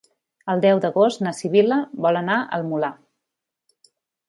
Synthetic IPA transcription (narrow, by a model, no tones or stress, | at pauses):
əlˠd̪ɛwd̪əɣost̪nəsiβiləβɔlənaʔə̰lˠmula